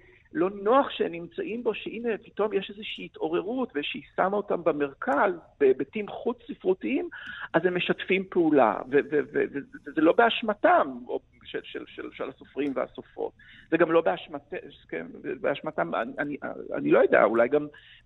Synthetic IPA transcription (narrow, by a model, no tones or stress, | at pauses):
lo̞noaχʃeemnimt͡saʔimbo̞ʃeʔinepi̥to̞mjeʃezeʃiːito̞ʁe̞ʁutveʃeisamaotambeme̞ʁkʰazb̥ebetimχut͡ssifʁutiimʔazemːeʃatfimpeula̰vevevḛvevezelo̞be̞aʃmatamo | ʃelʃelʃelʃelasofʁimveha̰sofo̞̰t̚ | zeɡamlo̞beaʃmatekḛnvebeaʃmatama̰nianiʔa̰a̰nilo̞jodḛa̰ulajɡam